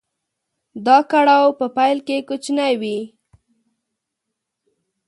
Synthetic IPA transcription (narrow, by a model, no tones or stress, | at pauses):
d̪ɑkaɽɑwpəpajlkekut͡ʃnajwi